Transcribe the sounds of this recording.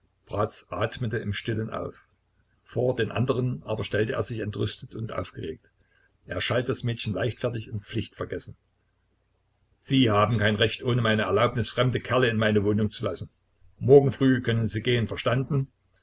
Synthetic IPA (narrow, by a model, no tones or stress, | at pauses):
b̥ʁaːt͡sʔaːtmətəɪmʃtɪlənʔa̰ʊf | foːɐdeːnʔa̰ndəʁ̞ənʔaːbɐʃtɛltəʔeːɐzɪçɛntʁʏstətʊntʔa̰ʊfɡ̥əʁḛːk̚t | ʔeːɐʃaltəd̥asmɛːtçn̩laɪçtfɛɐtɪçʊntp͡flɪçtfɛɐɡɛsn̩ | z̥iːhaːbm̩kaɪnʁɛçtʔoːnəmaɪnəɛɐlaʊpnɪsfʁ̥ɛmdəkʰɛɐləɪnmaɪnəvoːnʊŋt͡sulasn̩ | mɔɐɡŋ̩fʁ̥yːkʰœnənziːɡeːənfɛɐʃtandn̩